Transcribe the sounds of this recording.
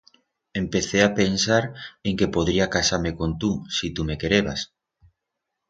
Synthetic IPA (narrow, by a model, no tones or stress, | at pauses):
empeθeapensaɾeŋkepoðɾiakasaɾmekont̪usit̪umekeɾeβa̰s